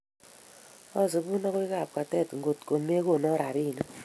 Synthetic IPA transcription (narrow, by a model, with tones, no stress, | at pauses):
ɔ˦zi˨bu˦na˦kwi˦ka˨p̚ka˨tɛ˦˨tŋɡo˨tko˨me˦ko˨nɔ˦ɾa˨ɾi˦˨no˦